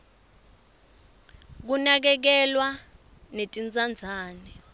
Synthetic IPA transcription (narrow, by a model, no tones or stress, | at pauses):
k̬unak̬ɛk̬ɛlwa | netʼind͡zʼand͡zʱaːnɛ